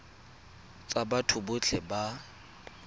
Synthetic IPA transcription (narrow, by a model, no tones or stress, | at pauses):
t͡sʼabatʰʊbʊt͡ɬʰɛba